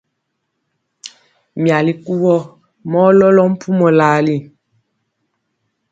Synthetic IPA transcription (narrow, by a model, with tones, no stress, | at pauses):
mja˨li˨ku˦wɔ˦ | mɔ˦lɔ˦lɔ˦m̩˦pʰu˦mɔ˨laː˨li˦˨